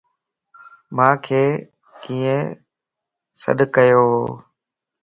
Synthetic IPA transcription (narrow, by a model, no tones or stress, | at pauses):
mãːkʰeː | kĩːə̃ | sə̰ɗkəjoːɦoː